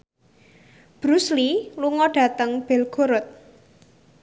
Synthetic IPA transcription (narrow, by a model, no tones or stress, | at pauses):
b̥ɾusliluŋɔɖ̥ä̤t̪əŋb̥ɛ̤lɡ̥o̤ɾʊt̪̚